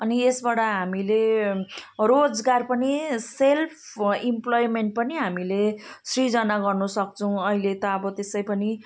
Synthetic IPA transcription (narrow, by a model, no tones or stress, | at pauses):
ʌniesbaɽʌɦamile | rod͡zɡarpʌniselpʰimplojmeɳʈ̚pʌniɦamilesrid͡zʌnaɡʌrnusʌk̚t͡sʰʌw̃ʌɦilet̪ʌːbʌt̪esʌjpʌni